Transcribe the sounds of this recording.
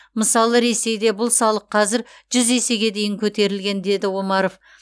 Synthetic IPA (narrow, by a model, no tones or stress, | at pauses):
məsɑlˠəɾe̞se̞jd̪e̞bʊlˠsɑlˠəqʰːɑzɪɾʒ̥ʏze̞se̞ɡʲe̞d̪e̞jɪŋkʲʰɵt̪e̞ɾɪlɡʲe̞nd̪e̞d̪ɪwomɑɾo̞f